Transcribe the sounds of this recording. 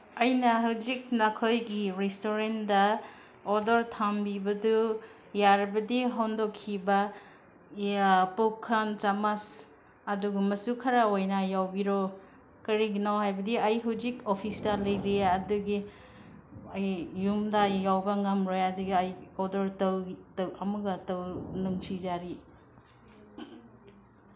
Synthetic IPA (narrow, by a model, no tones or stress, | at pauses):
ɐjnɐɦawzik̚nɐkʰojɡiɾestoɾendɐ | odɔɾtʰambibɐdu | jaɾbɐdiɦɔndɔkʰːiba | pokʰːɐnt͡ʃamas | ɐduɡamɐsukʰɐɾaojnajawbiɾo | kɐɾiɡinawɦajbɐdiɐjɦawzikopʰistɐlɐjɾeɐduɡi | ɐjːumdajawbɐŋamɾojɐduɡiajɔdɐɾtɐwtɐwɐmuɡɐtɐwnuŋsizaɾi